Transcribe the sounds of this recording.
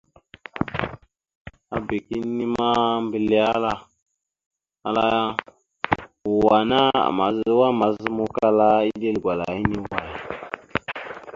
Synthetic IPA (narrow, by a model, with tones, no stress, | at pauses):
a˨be˨ki˦nːi˦ma˦mbə˦li˦a˦la˦ | a̰˨la˦a˦ | u˨wa˨na˦a̰˨ma˨zə˦wa˦ma˨zə˦mo˦ka˦la˦i˦de˦lɡʷa˨la̰˨i˦ni˦wa˨ji˨